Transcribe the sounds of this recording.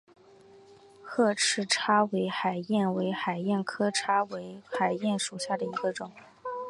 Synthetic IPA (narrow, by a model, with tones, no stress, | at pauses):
xʰɤ˥˧ʈ͡ʂʰɻ̩˥ʈ͡ʂʰa˥we˧˥ɪxa˨˩ɪjɛ˥˩nwe˧˥ɪxa˨˩ɪjɛ˥˩nkʰɤ˥ʈ͡ʂʰa˥we˧˥ɪxa˨˩ɪjɛ˥˩nʂu˨˩ɕja˥˩d̪ə˩i˧˥ɡə˧ʈ͡ʂʊ˨˩˦ŋ